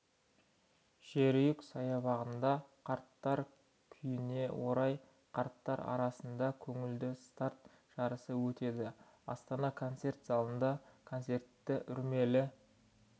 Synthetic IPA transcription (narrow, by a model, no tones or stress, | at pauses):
ʒ̥eɾjɪksɑjɑβɑʁənd̪ɑqʰɑɾt̪ːɑɾ | kʲʰʏjɪne̞wo̞ɾɑj | qʰɑɾt̪ːɑɾɑ̰ɾɑsənd̪ɑkʲʰɵŋɪld̪ɪst̪aɾt̪ | ʒ̥ɑɾəsəwɵt̪e̞d̪ɪ | ɑ̰st̪ɑnɑkʰo̞nt̪se̞rt̪zɑlˠənd̪ɑkʰo̞nt̪se̞rt̪ːɪʔʏɾme̞lɪ